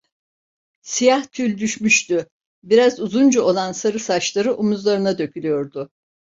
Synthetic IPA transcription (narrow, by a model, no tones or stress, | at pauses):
sijaht̪ʰylʲd̪yʃmyʃt̪y | biɾazuzund͡ʒuo̞lˠansaɾɯsat͡ʃlˠaɾɯʔumuzlˠaɾɯnad̪ø̞cʰylʲyjo̞ɾd̪ʊ